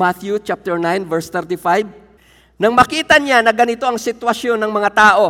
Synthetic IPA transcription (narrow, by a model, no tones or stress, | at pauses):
at̪jut͡ʃap̚t̪ɛɹnajnvɛɹst̪ɛɾt̪ɪfajb̚ | nɐŋmɐkiːt̪ɐɲanɐɡɐnɪt̪o̞ʔɐŋsɪt̪wɐʃjo̞nːɐŋmɐŋat̪aːʔo̞